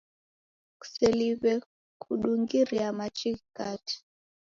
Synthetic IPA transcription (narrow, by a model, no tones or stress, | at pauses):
ku̥seliβɛ | kʰuɗuŋɡiɾiamat͡ʃikkati̥